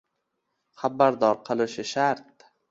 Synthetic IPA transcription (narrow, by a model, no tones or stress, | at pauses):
χabːaɾd̪ɒɾqʰɨlˠɪʃɪʃaɾt̪̚